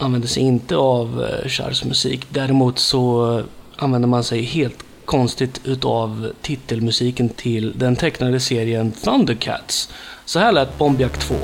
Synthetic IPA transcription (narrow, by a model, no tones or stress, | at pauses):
ʔanvɛnd̪əsɛjɪnt̪əavɕa̰ɾsmɵsḭːkd̪æɾɪmuːt̪sɔ | ʔanvɛnd̪əɾmansɛjɦeːlt̪ | kʰɔnst̪ɪt̪ʰʉ̟ːt̪aːvt̪ʰɪt̪ːəlmɵsiːkənt̪ʰɪld̪ɛnt̪ʰɛknad̪əseːɾɪənfand̪əkʰæ̰t̪ssɔhæːɭɛːt̪̚bɔmbɪakt̪ʰv̥o̰ː